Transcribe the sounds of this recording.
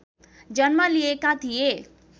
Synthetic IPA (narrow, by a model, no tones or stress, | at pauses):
d͡ʒənməliekat̪ʰije